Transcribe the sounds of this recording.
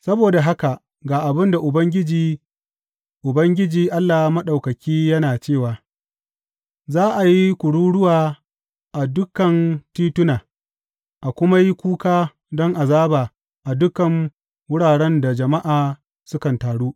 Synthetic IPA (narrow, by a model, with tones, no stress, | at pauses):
sɐ˦boː˨da˨ɦa˦ka˨ | ɡaː˨ʔa˨bɪ˦nda˨ʔʊ˨bɐ˦ŋɡʲɪ˦d͡ʒiː˦ | ʔʊ˨bɐ˦ŋɡʲɪ˦d͡ʒiː˨ʔa˦lːaː˨hmɐ˦ɗa˨wkɐ˨kʲiː˦jɐ˦naː˨t͡ʃeː˦˨waː˨ | zaː˦ʔa˨ji˦kʷʊ˨ɽuː˦ɽʊ˦waː˨ | ʔa˨dʊ˦kɐ˨ntiː˦tʊ˦naː˨ | ʔa˨kʷʊ˦ma˦ji˦kʷuː˦kaː˦ | dɔ˦ŋʔa˨zaː˦ba˨ | ʔa˨dʊ˦kɐ˨ŋ | wʊ˦ɽaː˨ɽɛ˦nda˨d͡ʒɐ˨ma˦ʔaː˨ | sʊ˦kɐ˨ntaː˨ɽuː˦ʔ